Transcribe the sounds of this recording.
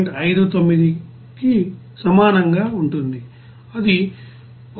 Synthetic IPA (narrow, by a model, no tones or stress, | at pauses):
ɳʈɐjd̪ut̪omːid̪i | ki | sɐmaːnɐŋɡaːuɳʈund̪i | ɐd̪i